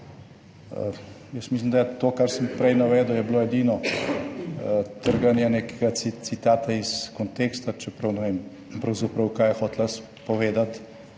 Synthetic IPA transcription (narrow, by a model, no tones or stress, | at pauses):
ə̰ | jəsmislimd̪ajɛt̪oːkaɾsəmpɾɛjnaʋɛːd̪əwjɛbloːɛd̪iːnɔ | t̪əɾɡanjaneːkɛɡaisit̪aːt̪aiskɔnt̪eːkst̪at͡ʃɛpɾɐwnɛʋeːm | pɾɐwzɐpɾɐwkaːjɛxot̪las | pɔʋeːd̪at̪